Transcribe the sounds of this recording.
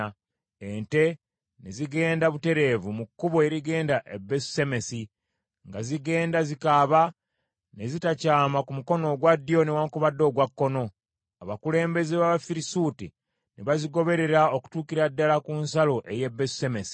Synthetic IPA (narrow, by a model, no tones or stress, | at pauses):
ente̞ | neziɡe̞ːndaβute̞ɾe̞ːvumukːuβoeɾiɡe̞ːndaʔebːesse̞me̞si | ŋɡaziɡe̞ːndazikaβa | ne̞zitacaːmakumuko̞no̞ɡwadːio̞newaːŋkuβadːo̞ːɡwakːo̞no̞ | aβakule̞ːmbe̞zeβaβafiɾisuti | neβaziɡo̞βe̞ɾe̞ɾaoku̥tuːkiɾadːalakunsalo̞ʔe̞jebːessemesi̥